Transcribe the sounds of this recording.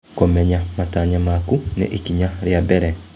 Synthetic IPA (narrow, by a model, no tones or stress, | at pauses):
komeɲamataɲamakunḛʔikiɲaɾjabeɾe